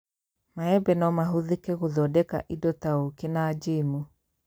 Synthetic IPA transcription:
maɛbɛnɔmaɦoðekɛɣoðɔdɛka̰ʔidɔtaokenad͡ʒemu

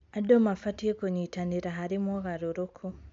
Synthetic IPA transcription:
adomafatiekoɲitaniɾaɦaɾimwoɣaɾuɾokʰu

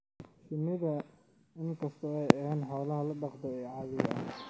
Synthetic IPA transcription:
ʃɪmɪðɐ | ɪŋkʰɐst̪ʰɔɛjɐhɛːnħɑwlɐɦɐlɐɖɑqd̪ɔɛːʕɑːðɪjɐɐ̰

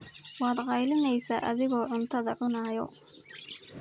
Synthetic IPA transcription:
wɑːd̪qɑjlɪnɛjsa̰ːʔɐ̰ðɪɣɔːʕʊnt̪ʰɐðɐʕʊnaːjɔ̰

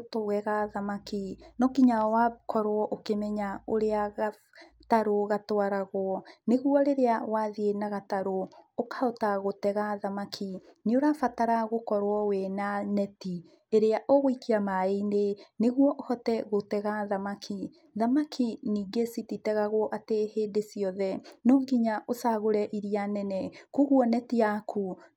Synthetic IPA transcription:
toɣɛɣaðamakinɔkiɲawakʰɔɾwɔʔokemɛɲaoɾeaɣa | taɾoɣatowaɾaɣwɔneɣuɔɾeɾeawaðienaɣataɾookaotaɣotɛɣaðamakʰineoɾafataɾaɣokɔɾwɔwɛnanɛti | eɾeaʔoɣoikiamaeneneɣwɔʔohɔtɛɣotɛɣaðamakʰi | ðamakʰiniːɡesititɛɣaɣwɔʔateheːndesijɔðɛnoːŋɡiɲaʔosaɣoɾɛʔiɾianɛnɛkuɣwɔnɛtiakʰu

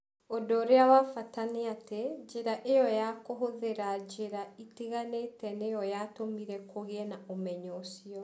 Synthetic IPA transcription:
odɔɾeawafataneated͡ʒeɾaʔejɔjakoɦoðeɾad͡ʒeɾaitiɣanetɛnejɔjatomiɾɛkʰoɣeɛnaʔomɛɲɔsiɔ

